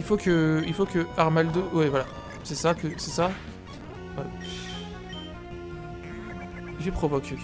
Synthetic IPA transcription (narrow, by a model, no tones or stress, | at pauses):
ilfokəilfokəaʁmald̪owɛvwala | sɛsakəsɛsa | wɛ | ifɛpχɔvɔkʲʰe